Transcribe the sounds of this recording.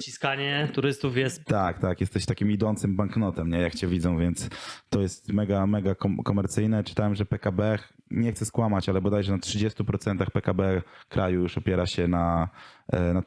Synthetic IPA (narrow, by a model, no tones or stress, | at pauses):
t͡ɕiskaɲɛt̪uɾɘst̪ufjɛst̪t̪akt̪akjɛst̪ɛɕt̪akʲimid̪ɔnt̪sɘmbaŋknɔt̪ɛmɲɛjakt͡ɕɛvʲid̪zɔ̃w̃vʲjɛnt̪st̪ɔjɛst̪mɛɡamɛɡakɔkɔmɛɾt̪sɘjnɛt͡ʂɘ̥t̪awɛmʐɛpɛkabɛxɲɛxt̪sɛskwamat͡ɕalɛbad̪ajʐɛnatʂɘd͡ʑɛst̪upɾɔt̪sɛnt̪axpɛkabɛkɾʔajujuʂɔpʲjɛɾaɕɛna | na